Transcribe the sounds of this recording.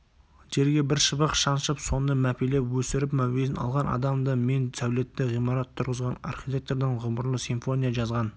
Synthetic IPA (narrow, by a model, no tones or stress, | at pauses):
ʒe̞ɾɡʲe̞bɪɾʃəbəqʃɑnʃəpso̞nd̪əmæpelepwɵsɪɾɪpmæwezɪnɑ̰lˠʁɑnɑ̰d̪ɑmd̪əme̞nsæwle̞t̪ːɪʁijmɑɾɑt̪ʰːʊɾʁəzʁɑnɑ̰rχʲit̪ʲe̞k̚t̪oɾd̪ɪɴʁʊməɾlˠəsiɱfo̞nʲijaʒɑzʁɑn